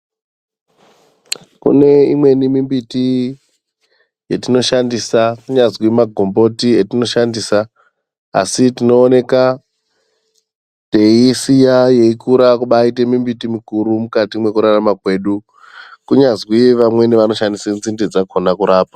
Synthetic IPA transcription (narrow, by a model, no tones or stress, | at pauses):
kṵne̞imwe̞nimimbiti | je̞tino̞ʃandisakuɲazwimaɡʱo̞mbo̞tietino̞ʃandiːsa̰ː | sitino̞ːne̞ka | te̞isijaje̞ikuɾakuɓaite̞mimbitimikuɾumukatimwe̞kuɾaramakwe̞ːɗu | kuɲazwiʋamwe̞niʋano̞ʃandisenzinded͡zakʰonakuɾaːpḁ